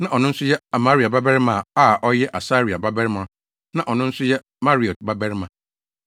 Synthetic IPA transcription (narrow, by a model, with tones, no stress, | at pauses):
nã˨ʔɔ˨nʊ̃˦n̩˦sʊ˦jɛ˦a˨ma˦ɾi˨a˨ba˦bɛ˦ɾmã˨a˦˨ʔɔ˦jɛ˦ʔa˨saː˦ɾi˨a˨ba˦bɛ˦ɾmã˨˦ | nã˦ʔɔ˨nʊ̃˦n̩˦sʊ˦jɛ˦ | ma˦ɾi˨ɔ˨t̚ba˦bɛ˦ɾmã˨